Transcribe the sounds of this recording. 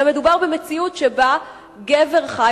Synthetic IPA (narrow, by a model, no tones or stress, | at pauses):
me̞dubaʁbemet͡siutʃeba | ɡeve̞ʁχa